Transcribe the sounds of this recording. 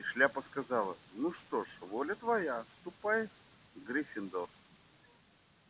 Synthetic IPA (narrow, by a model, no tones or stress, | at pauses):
ɪʂlʲapəskɐzalˠə̰nuʂt̪oʂvolʲət̪vɐjaːst̪ʊpaj | ɡɾʲɪfʲɪnd̪or